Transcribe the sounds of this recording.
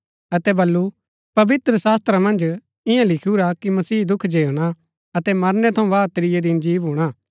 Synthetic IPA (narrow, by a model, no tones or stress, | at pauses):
ɐt̪ɛbɐlːu | pɐʋɪt̪ɾəsaːst̪ɾamɐ̃nd͡ʒ | ɪjãlɪkʰuɾakimɐsiːd̪ʊkʰd͡ʒeːɽ̃a | ɐt̪ɛmɐɾnɛt̪ʰɐũʋaːt̪ɾɪjed̪ɪnd͡ʒiːʋɦuːɽ̃aː